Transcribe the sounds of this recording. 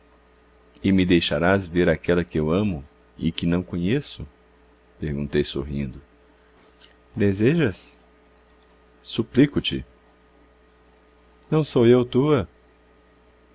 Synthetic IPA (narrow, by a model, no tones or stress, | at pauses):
ɪmɪd̪ejʃaɾazveɾakɛlɐkɪewɐ̃mʊ | ɪ̰kɪnɐ̃w̃kõɲesʊ | peɾɡũnt̪ejso̰ɦḭ̃nd̪ʊ | d̪ezeʒɐs | suplikʊt͡ʃɪ | nɐ̃w̃sowewt̪uɐ